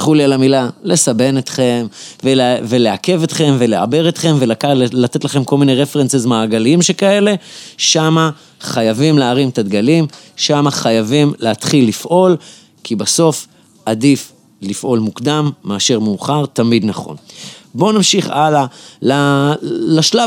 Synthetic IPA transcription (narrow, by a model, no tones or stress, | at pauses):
χulialamilale̞sabe̞net̪χe̞mvelveleake̞vet̪χe̞mve̞lea̰be̞ʁet̪χe̞mve̞lakalat̪e̞tlaχe̞mko̞lminejʁefeʁensezmaːɡaliimʃekae̞le̞ʃama | χajavimleaʁimet̪ad̪ɡalimʃamaχajavimleat̪χilːifʔo̞l | kʰibaso̞f | adif | lifʔo̞lmukd̪amːeaʃe̞ʁmeuχaʁt̪amid̪naχo̞̰nbonamʃiχalala | laʃla